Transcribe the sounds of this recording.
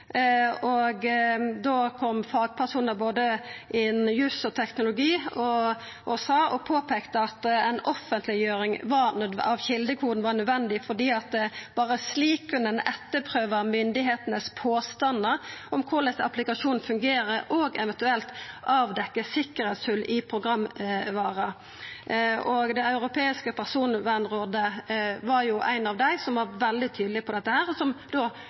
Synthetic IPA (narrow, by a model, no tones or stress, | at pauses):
ɔɡd̪oːkʰɔmfɑːɡ̚pʰæʂuːnəboːd̪əʔɪnjʉːsɔt̪ʰɛknʊlʊɡiːɔ | ʔɔsɑːʔɔpʰoːpʰeːkt̪əɑt̪ɛɪnɔfːənt̪lɪjøːɾɪŋʋɑɾnd̪ɑʋçɪld̪əkʰuːd̪n̩ʋɑnœd̪ʋɛnd̪ɪfɔɖ̪iːɑt̪̚d̪ɛb̥ɑːɾəsliːkʰːʉnɛnɛt̪ːəpʰʁøːʋəmʏnd̪ɪɦeːt̪ənəspʰoːst̪ɑnəɔmkʰʊɾlɛsəɑplɪkɑʂuːnfʉŋɡeːɾəɾoːɡɛʋɛnt̪ʉɛlt̪ʔɑːʋd̪ɛkːəsɪkəɾhɛːt̪sʉlːɪpʰʁʊɡʁɑmːʋɑːʁə | ʔɔɡd̪ɛɑʉɾʊpʰeːɪskəpʰæʁsuːnʋænʁoːd̪əʋɑɾjʊʔæ̰ɪnɑʋd̪æɪsɔmʋɑɾʋɛld̪ɪt̪ʰyːd̪lɪpʰɔd̪ɛt̪ːəhæːɾɔsɔmd̪̥oː